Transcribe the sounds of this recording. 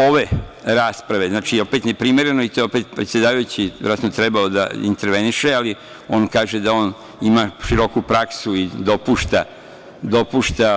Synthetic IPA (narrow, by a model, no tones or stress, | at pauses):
o̞ʋe̞ | ɾaːspɾaʋe̞znaːt͡ʃio̞pet̪ne̞pɾime̞ɾe̞noit̪o̞eopet̪pɾet̪sjed̪aːʋajut͡ɕiʋɾat̪not̪ɾe̞bao̞d̪a̰ḭnt̪eɾʋe̞niʃe̞ali | o̞ːnkaːʒe̞d̪ao̞ːn | imaʃiɾo̞kupɾaksuid̪o̞puːʃt̪a | d̪o̞puːʃt̪a